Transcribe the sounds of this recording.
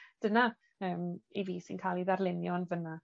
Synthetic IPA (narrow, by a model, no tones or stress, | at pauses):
d̥əna | əːmeviːsḭnkʰaːlˠiðarlˠɪnjɔnvəna